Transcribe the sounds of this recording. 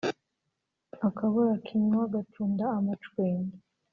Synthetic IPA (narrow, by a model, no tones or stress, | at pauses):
akʰaβuɾakʰiɲwaɡatʰuːndaːmat͡ʃweːɲdi